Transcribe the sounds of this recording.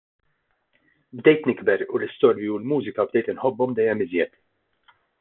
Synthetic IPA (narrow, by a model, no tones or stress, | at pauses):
bd̪ɛjt̪nɪɡbɛɾulɪst̪ɔːɾjiulmuːzɪkɐbd̪ɛjt̪ɪnħɔbːɔmd̪ɛjːɛmɪzjɛt̪